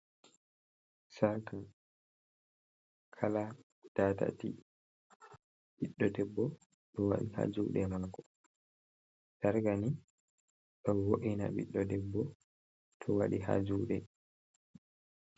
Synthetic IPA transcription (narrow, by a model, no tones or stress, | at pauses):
saɾtan | kʰala | d̥ata̰tḭ | ɓiɗːɔdɛbːɔ | ɗɔwa̰ɗiha̰d͡ʒuːɗɛmaŋkɔ | daɾɡani | ɗɔwoʔina̰ɓiɗːɔdɛbːɔ | tʰɔwaɗiɦa̰d͡ʒuːɗɛ